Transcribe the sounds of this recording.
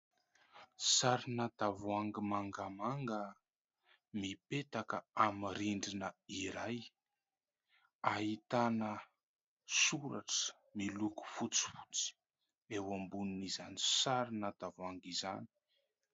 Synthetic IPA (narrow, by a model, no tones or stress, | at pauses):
saɾinat̪avuaŋɡimaŋɡamaŋɡə | mipet̪akəamiɾiɳɖ͡ʐinəiɾaj | aɦit̪anə | suɾa̰ʈ͡ʂə̥ | miluku̥fut͡si̥fu̥t͡si̥ | ewambununizanisaɾinat̪avuaŋɡiza̰ni̥